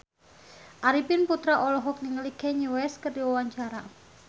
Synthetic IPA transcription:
ʔaɾipɪnput̪ɾaʔɔlɔɦɔk̚niŋəlikɛɲuwɛskərdiwawaɲt͡ʃaɾa

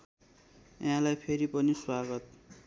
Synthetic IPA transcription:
jãlajpʰeɾipʌniswaɡʌt̪̚

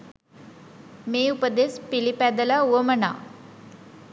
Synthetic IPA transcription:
meupəd̪espilipad̪əlauʋəməɳa̰

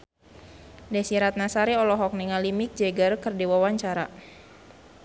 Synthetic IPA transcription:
dɛsiɾat̪̚nasaɾiɔlɔɦɔk̚niŋalimik̚d͡ʒɛɡərkɨrdiwawaɲt͡ʃaɾa

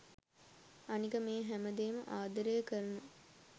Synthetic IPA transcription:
anikəmeːɦæməd̪eːməʔaːd̪əɾəjəkəɾənə

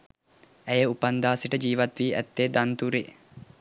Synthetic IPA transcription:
æjəupand̪aːsiʈəd͡ʒiːʋɐt̪ʋiːʔæ̰t̪ːed̪ant̪uɾe

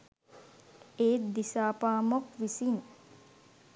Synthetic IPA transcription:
eːd̪isaːpaːmokʋisin

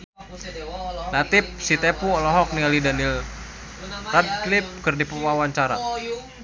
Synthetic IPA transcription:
lat̪ip̚sit̪ɛpuɔlɔɦɔk̚nialidanil | rad̚klip̚kɨrdipuwawaɲt͡ʃaɾa̰

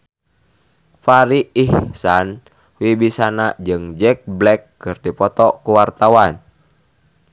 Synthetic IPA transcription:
faɾiihsan | wibisanad͡ʒɨŋd͡ʒɛk̚blɛkː | ɨrdipɔt̪ɔkuwart̪awan

